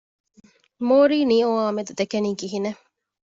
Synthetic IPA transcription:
moːɾiːnioaːmed̪ud̪ekeniːɡiɦine

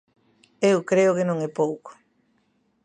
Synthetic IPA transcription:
eukɾeokenoŋepowko̥

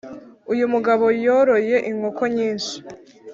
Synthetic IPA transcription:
ujumuɡaβo̞jo̞ɾo̞je̞ʔiŋokʰo̞ɲiːnʃi̥

